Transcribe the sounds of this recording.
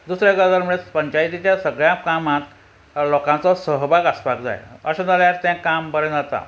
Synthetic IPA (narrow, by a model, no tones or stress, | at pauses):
d̪usɾjaɡəd̪aɾmuɭepəɲt͡ɕajit̪it͡ɕjasəɡɭjakamãt̪ | lɔkãt͡sɔsəɦbʱaɡəspakd͡za̰jəɕãd͡zaljaɾt̪jãkambəɾə̃d͡zat̪a̰